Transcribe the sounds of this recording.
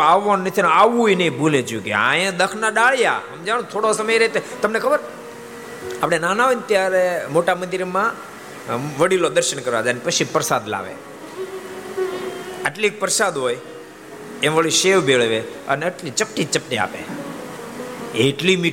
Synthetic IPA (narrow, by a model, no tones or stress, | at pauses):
aʋʋannət̪ʰinoaʋũjnəĩbulẽd͡ʒũkḛa̰jẽd̪əkʰnaɗaɭja̰ɦəmd͡ʒaɽ̃ũt̪ʰoɽosəməjɾet̪et̪əmnekʰəbəɾ | apɽ̃enanaʋənt̪jaɾemoʈamənd̪iɾmã | ʋəɽilod̪əɾʃənkəɾʋa̰d͡ʒ̪anpət͡ʃʰipəɾsad̪la̰ʋḛ | əʈlik̚pəɾsad̪ɦoj | ẽmʋəɭiʃeʋbʱeɭʋeə̰neəʈlit͡ʃəp̚ʈit͡ʃəpʈia̰pḛ | eʈlimi